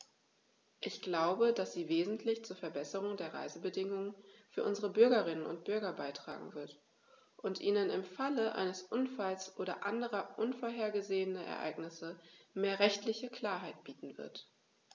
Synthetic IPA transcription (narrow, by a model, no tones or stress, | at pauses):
ʔɪçɡ̥laʊbədasz̥iːveːzn̩tʰlɪçt͡suːɐfɛɐbɛsəʁ̞ʊŋdeːɐʁa̰ɪzəbədɪŋʊŋənfyːɐʔʊnzəʁəbʏɐɡɐʁɪnənʊ̰nt̚b̥ʏɐɡɐbaɪtʁ̥a̰ːɡŋ̩vɪɐt | ʔʊntʔiːnənɪmfaləʔa̰ɪnəsʔʊnfalsʔoːɾɐ̰ʔandəʁɐʔʊnfoɐɦeːɐɡəzeːənɐʔɛ̰ɐʔa̰ɪɡnɪsəmeːɐʁɛçtlɪçəkʰl̥aːɐɦaɪt̚b̥iːtn̩vɪ̰ɐt